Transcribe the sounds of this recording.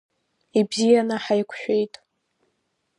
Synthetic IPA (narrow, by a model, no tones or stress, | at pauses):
ibzijanaħajkʷʰʃᶣʷejtʼ